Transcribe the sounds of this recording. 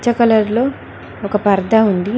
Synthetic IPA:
t͡ʃɐkɐlɐɾlo̞ː | ɔkɐpɐɾd̪ʱaund̪i

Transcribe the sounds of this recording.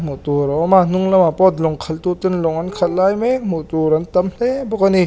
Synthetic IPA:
mutuɾɔmanuŋlamapɔt̪lɔŋkʰɐltutɯnlɔŋankʰɐt̚lajmemutuɾɐntɐmn̥ebɔkani

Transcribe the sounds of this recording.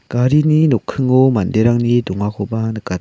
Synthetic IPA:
ɡ̥aɾininɔkʰːɯŋomandeɾaŋnidɔŋakʰɔbanɯka

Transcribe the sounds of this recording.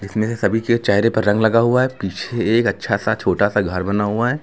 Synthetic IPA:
d͡ʒɪsmẽsesɐbʱiket͡ʃaːɪɾẽpɐɾːɐ̃ŋɡlɐɡaɦuaɦɛpiːt͡ʃʰeeːkɐtːʃʰasat͡ʃʰoːʈasaɡʱɐɾbɐnaɦuaɦɛː

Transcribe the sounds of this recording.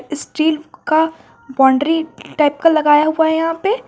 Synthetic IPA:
ɪsʈiːlka | bɔ̃ːɳɖɾiʈaːɪp̚kalɐɡaːjaɦuaɦɛjɐɦãpe

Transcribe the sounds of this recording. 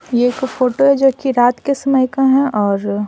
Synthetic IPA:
jeeːkfoːʈoɦɛd͡ʒoɦkiɾaːt̪kesɐməjkãɦɛ̃ʔɔːɾ

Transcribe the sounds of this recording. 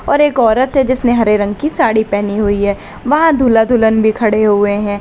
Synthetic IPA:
ɔːɾeːkɔːɾət̪ɦɛd͡ʒɪsneɦɐɾeɾɐ̃ŋɡkisaːɽipɛɦniɦʊiɦɛː | ʋɐɦãd̪ʱuːlad̪ʱulənbʱikʰɐɽeɦʊeɦɛ̃ː

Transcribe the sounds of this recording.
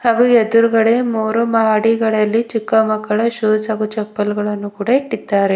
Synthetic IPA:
haːɡued̪uɾuɡɐɽemuːɾumɐaːɽiɡɐɭɐɐlːit͡ʃikːɐmɐkːɐɭɐʃoːd͡ʒaːɡut͡ʃɐpːɐlɡɐɭɐnːukuːɽɐiʈːid̪ːaːɾe

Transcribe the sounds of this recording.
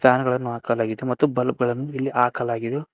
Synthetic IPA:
t̪ʰaːnɐɡɐɭɐnːuaːkɐlaːɡid̪emɐt̪ːubɐlɐp̚ɡɐɭɐnːuilːiʔaːkɐlaːɡid̪e

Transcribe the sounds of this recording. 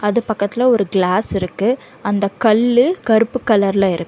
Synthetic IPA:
ɐðɯpɐkːɐt̪ːɪlɐɔɾɯɡɭaːsɪɾɯkːɯ | ɐnd̪ɐkɐɭːɯkɐɾɯpːɯkːɐlɐɾlɐɪɾɯkː

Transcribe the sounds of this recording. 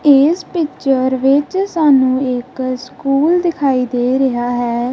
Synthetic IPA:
ɪspɪkt͡ʃəɾʋɪt͡ʃsaːnũːɪkskuːld̪ɪkʰaːiːd̪eːɾəɦaːɦɛː

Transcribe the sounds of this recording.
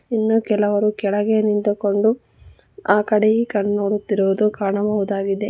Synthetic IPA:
inːukɛlɐʋɐɾukɛɭɐɡe̞nint̪uko̞ɳɖu | aːkɐɽejikɐɳnoːɽut̪ːiɾuʋud̪ukaːɳɐbɐʋud̪aːɡid̪e̞

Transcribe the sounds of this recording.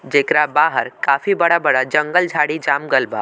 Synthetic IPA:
d͡ʒeːkɾabaːɦəɾkaːfibəɽabəɽad͡ʒə̃ŋɡəld͡ʒʱaːɽid͡ʒaːmɡəlba̰

